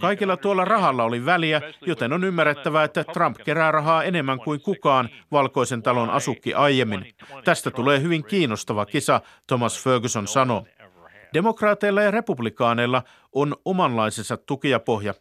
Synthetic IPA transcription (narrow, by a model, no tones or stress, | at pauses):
kɑjkilːɑt̪uolːɑrɑɦɑlːɑo̞liʋæliæjo̞t̪e̞nonymːærːet̪ːæʋæet̪ːæt̪rɑmpke̞ɾæːrɑɦɑːe̞ne̞mːæŋkuiŋkukɑːnʋɑlko̞ise̞nt̪ɑlo̞nʔɑ̰sukːiʔɑjjːe̞mːint̪æst̪æt̪ule̞ːɦyʋiŋkiːnːost̪ɑʋɑkisɑ | t̪o̞mɑsføːɡysonsɑno̞ | d̥e̞mo̞krɑːt̪e̞jlːɑjɑre̞publikɑːne̞jlːɑ | ʔono̞mɑnlɑisensɑt̪ːukiɑpo̞ɦjɑ